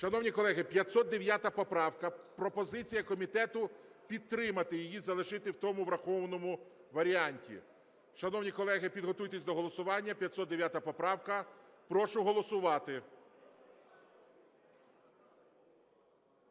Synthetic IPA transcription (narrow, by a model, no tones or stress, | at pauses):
ʃɐnɔwnʲikɔlˠɛɦɪpʲjɐt̪sɔt̪̚d̪eʋʲjat̪ɐpɔpɾɑwkɐpɾɔpɔzɪt͡sʲijɐkɔmʲit̪ɛt̪ʊpʲid̪̚t̪ːɾɪmɐt̪ɪjɪjizɐlˠɪʒɪt̪ɪwt̪ɔmʊʋɾɐxɔʋnɔmʊ | ʋɐɾʲiɑnʲtʲḭ | ʃɐnɔwnʲikɔlˠɛɦɪpʲid̪ɦɔt̪ujt̪esʲd̪ɔɦɔlˠɔsʊʋɑnʲːɐpʲjɐt̪sɔt̪d̪eʋʲjat̪ɐpɔpɾɑwkɐpɾɔʃʊɦɔlˠɔsʊʋɑt̪ɪ